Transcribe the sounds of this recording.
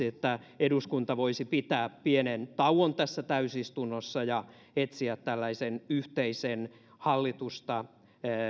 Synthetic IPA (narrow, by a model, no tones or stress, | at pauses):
iet̪ːæeduskunt̪ɑʋoisipit̪æːppienent̪ɑuwont̪æsːæt̪æysist̪unːosːɑjɑ | et̪siæt̪tælːæisenyht̪eisen | hɑlːit̪ust̪ɑ